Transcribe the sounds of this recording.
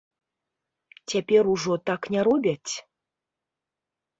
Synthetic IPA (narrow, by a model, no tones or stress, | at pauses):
t͡sʲapʲeɾuʐɔt̪aknʲaɾɔbʲat͡sʲ